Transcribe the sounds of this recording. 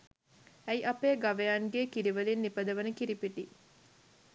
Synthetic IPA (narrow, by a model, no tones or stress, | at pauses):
æjʔɐpeːɡaʋejaːnɡeːkiɾiʋəlinːipəd̪əʋənəkiɾipiʈi